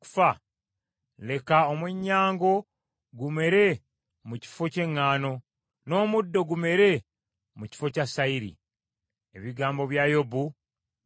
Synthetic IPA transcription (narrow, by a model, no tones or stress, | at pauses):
ku̥fa | le̞kaomweɲːaːŋɡo̞ | ɡume̞ɾe̞ | muci̥fo̞ce̞ŋːaːno̞ | no̞ːmudːo̞ɡume̞ɾe | muci̥fo̞casaiɾḭ | e̞̰βiɡaːmbo̞βjajo̞bu